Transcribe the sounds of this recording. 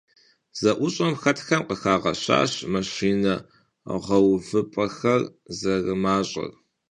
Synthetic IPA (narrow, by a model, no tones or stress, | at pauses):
z̥ɐʔʷʊɕʼɐmxɐtʰxɐmqəxaːʁɐ̰ɕa̰ːɕmɐɕiːnɐ | ʁɐwvɨpʼɐxɐrzɐrɨmaːɕʼɐ̰r